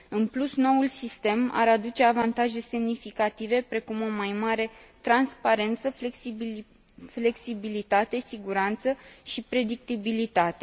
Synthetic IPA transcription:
ɨnplusno̞ulsist̪e̞ma̰ɾad̪ut͡ʃe̞avant̪aʒe̞se̞mnifikat̪ive̞pɾe̞kumo̞majmaɾe̞t̪ɾanspaɾe̞nt̪səfleksi | fle̞ksibilit̪at̪e̞siɡuɾant̪səʃipɾe̞d̪ik̚t̪ibilit̪at̪e̞

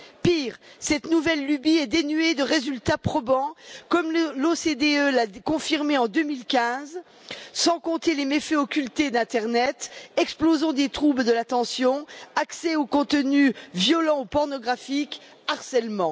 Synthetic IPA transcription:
piːʁsɛt̪nuvɛlːybiɛd̪enyed̪əʁezylt̪apχɔbɑ̃kɔmlosed̪eølakɔ̃fiʁmeɑ̃d̪ømilkʲɛ̃z | sɑ̃kɔ̃t̪elemefɛɔkʲylt̪ed̪ɛ̃t̪ɛʁnɛt̪ɛksplozɔ̃d̪et̪χubld̪əlat̪ɑ̃sjɔ̃aksɛokɔ̃t̪ənyvjɔlɑ̃upɔʁnɔɡʁafik | aʁsɛlmɑ̃

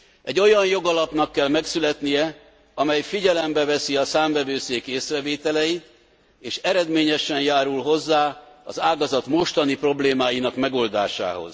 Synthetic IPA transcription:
ɛɟːo̞jɒnjo̞ɡɒlɒpnɒkːɛlmɛksylɛt̪nijɛ | ɒmɛjfiɟɛlɛmbɛvɛsiɒsaːɱvɛvøːseːkeːsrɛveːt̪ɛlɛjit̪ | eːʃɛɾɛd̪meːɲɛʃɛnjaːɾulɦo̞zːaːɒ̰zaːɡɒzɒt̪mo̞ʃt̪ɒnipro̞bleːmaːjinɒkmɛɡo̞ld̪aːʃa̰ːɦo̞̰z̥

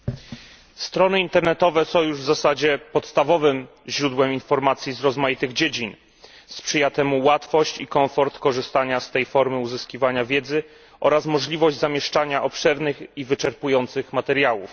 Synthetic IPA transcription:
st̪ɾɔnɘint̪ɛɾnɛt̪ɔvɛsɔ̃w̃juʐvzasad͡ʑɛpɔt̪st̪avɔvɘm | ʑɾud̪wɛminfɔɾmat̪sʲjizɾɔzmajit̪ɘɣd͡ʑed͡ʑin | spʂɘjat̪ɛmuwat̪fɔɕt͡ɕikɔɱfɔɾt̪kɔʐɘst̪aɲast̪ɛjfɔɾmɘuzɘskʲivaɲavʲjɛd̪zɘ | ʔɔɾasmɔʐlʲivɔʑd͡ʑzamʲjɛʂt͡ʂaɲaʔɔpʂɛɾnɘxivɘt͡ʂɛɾpujɔnt̪sɘxmat̪ɛɾjawṵf

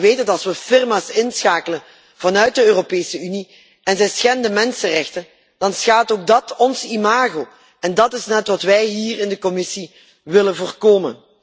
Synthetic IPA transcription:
ʋeːjtətɑlˠsʋəfɪrmaːsɪnsxaːkələn | v̥ɑnœɥt̚dəøːropeːsəyni | ɛnzɛjsxɛndəmɛnsərɛxtən | d̥ɑnsxaːtoːɡ̚dɑtɔnzimaːɣo | ɛndɑtɪsnɛtʋɑtʋɛjɦiːrɪndəkɔmɪsi | ʋɪlənvoːrkoːmə̰n

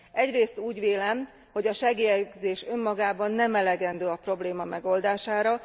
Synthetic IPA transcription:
ʔɛɟreːst̪uːɟʋeːlɛm | ho̞ɟɒʃɛɡijɛɡzeːʃø̞mːɒɡaːbɒnːɛmɛlɛɡɛnd̪øːɒpro̞bleːmɒmɛɡo̞ld̪aːʃaːɾɒ

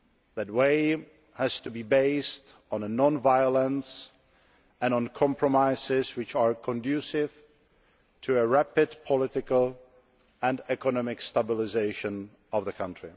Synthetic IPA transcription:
ðæt̚weɪ | hæz̥tubibeɪst | ɔ̃n̩ənɔ̃nvaɪəlˠə̃ns | ɛ̃nɔ̃nkʰɑ̃mpɹɔmaɪsɪzwɪt͡ʃaɹkʰɔ̃ndʉsɪv̥ | tʰuəɹæpɪdpʰɔlɪtɪkəlˠ | ɛ̃nɛkɔnɔmɪkstabɪlɪzeɪʃɨ̃n | ɔvðəkʰʌ̃ntɹ̥ɪ

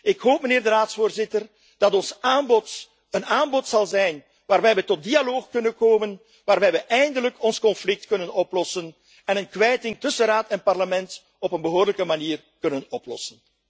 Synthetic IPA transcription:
ɪkɦoːp̚məneːrdəraːtsfoːrzɪtər | d̥ɑtɔnsaːnbɔt | ənaːnbɔtsɑlˠzɛjn | ʋaːrʋɛjʋətɔt̚dialoːxkɵnənkoːmən | ʋaːrʋɛjʋəʔɛjndələkʰɔnskɔnflɪk̚tkɵnənɔplɔsən | ɛnənkʋɛjtɪŋtɵsənraːtɛnpɑrləmɛnt | ɔpənbəɦoːdələkəmaniːr | kɵnənɔplɔ̰sən

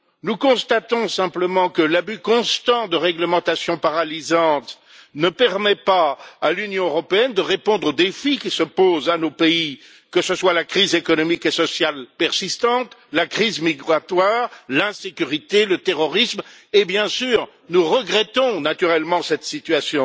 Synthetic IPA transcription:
nukɔ̃st̪at̪ɔ̃sɛ̃pləmɑ̃kəlabykɔ̃st̪ɑ̃d̪əʁɛɡləmɑ̃t̪asjɔ̃paʁalizɑ̃t̪ | nəpɛʁmɛpaːlynjɔ̃øʁɔpeɛnd̪əʁepɔ̃d̪ʁod̪efikʲisəpozanopei | kəsəswalakχizekɔnɔmikesɔsjalpɛʁsist̪ɑ̃t̪lakχizmiɡʁat̪waʁlɛ̃sekʲyʁit̪elət̪eʁɔʁismebjɛ̃syːʁ | nuʁəɡʁɛt̪ɔ̃nat̪yʁɛlmɑ̃sɛt̪sit̪ɥasjɔ̃

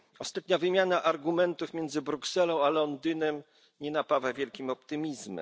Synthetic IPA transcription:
ɔst̪at̪ɲavɘmʲjanaʔaɾɡumɛnt̪ufmʲjɛnd̪zɘbɾuksɛlɔ̃w̃alɔnd̪ɘnɛm | ɲɛnapavavʲjɛlkʲimɔp̚t̪ɘmʲizmɛ̰

